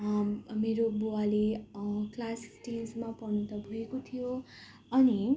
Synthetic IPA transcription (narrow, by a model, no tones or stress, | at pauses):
meɾobualeklassʈinsmapʌnut̪ʌbʱuekot̪ʰijo | ʌni